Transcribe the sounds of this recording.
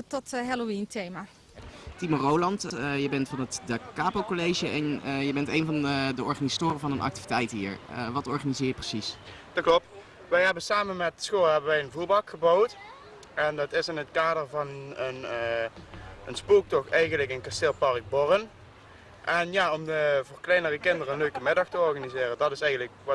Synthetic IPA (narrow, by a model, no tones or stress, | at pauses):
tɔtɦɛlointʰejma | timərowlɑntəjəbɛntfɑnətdakaːpokolejʒəʔɛnjəbɛntejnvɑndəɔɹχanizatoːrəvɑnənʔɑ̰k̚ti̥vitɛjtɦḭːɹə̰ʋɑtɔɹχanizɪːɹjəprəsisd̥ɑt̚klɔp̚t | ʋɛjɦɛbənsaːmənmɛtsχolˠɦɛbənʋɛjənvuːɹbɑkxəbowt | ʔɛndɑtɪsɪnɦətkaːdəɹvɑnən | ənspuːk̚tɔxɛjɣənləkənkastɪlˠpɑrəɡ̚bɔrən | ʔɛnjaːɔmdəvərklɛjnərəkɪndərənløɥkəmɪdɑxtəɔɹɣanizɪːrədɑtɪsɛjɣənləkʋɑ